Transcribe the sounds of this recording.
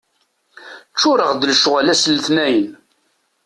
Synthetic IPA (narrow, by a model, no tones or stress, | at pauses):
t͡ʃːʊɾəʁd̪ələʃʁalæslθnæjən